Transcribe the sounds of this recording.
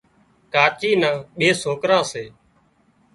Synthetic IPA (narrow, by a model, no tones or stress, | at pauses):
kaːt͡ʃiːnãːɓeːsoːkɾãːseː